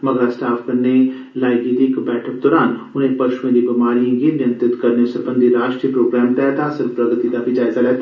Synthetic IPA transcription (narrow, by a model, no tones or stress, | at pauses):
məɡəɾaːsʈaːfkəɾneː | laːɡiːd̪iːkbɛːʈʰək̚d̪ɔːɾaːnʊnẽpəʃʊʋẽːd̪iːbɪmaːɾiãɡinɪjə̃nt̪ɪt̪kəɾneosəɾbənd̪iɾaːʃʈɾiːəpɾoːɡɾɛːmʈ̪ɛːt̪ãːsəɾpɾəɡt̪id̪aːbid͡ʒaːɪzaːlɛːt̪aː